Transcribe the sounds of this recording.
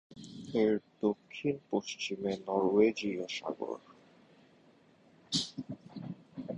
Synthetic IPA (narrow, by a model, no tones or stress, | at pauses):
eɾd̪okʰːinpoʃt͡ɕimenɔɾwed͡ʑioʃa̰ɡo̰ɾ